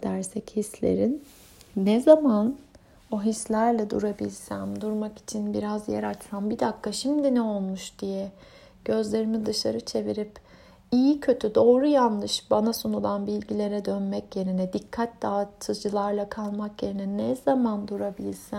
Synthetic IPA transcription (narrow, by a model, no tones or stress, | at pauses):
d̪̥æɾsɛchislʲḛɾinː | ɛzaman | oɦislʲæɾlʲɛd̪ṵɾabilʲsænd̪uɾmaki̥t͡ʃʰinbiɾazjɛ̰ɾat͡ʃsambid̪akʰːaʃimd̪inɛo̞lˠmuʃd̪̥ijɛ | ɟ̥ø̞zlʲe̞ɾimid̪ɯʃaɾɯt͡ʃʰe̞viɾip | ijicʰø̞t̪ʰyd̪o̞ːɾujanˠːɯʃbanasonulˠanbilʲɟilʲe̞ɾɛd̪ønmɛcje̞ɾinɛd̪ikʰːat̪̚d̪aːt̪ʰɯd͡ʒɯlˠaɾlˠakʰalˠmakje̞ɾinɛnɛz̥amand̪uɾabilʲsæn